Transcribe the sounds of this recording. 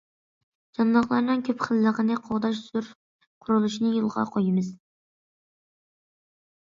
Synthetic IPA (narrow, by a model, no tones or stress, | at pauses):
d͡ʒɑnd̪ɑχlˠɑɾnɨŋkʲʰøpχəlːəʁənɨqʰoʁd̪ɑʃz̥uɾ | qʰʊɾulˠuʃinɪjolˠʁɑ̰qʰojimɨz